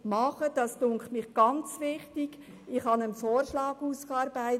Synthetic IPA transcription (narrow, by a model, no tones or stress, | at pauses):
mɑχəd̥ɑstʊŋkχtmɪχɡ̥ɑnt͡sʋɪχtɪɡ | ɪχhɑnənfɔːrʃlɑːɡuːskɑːɾbæɪt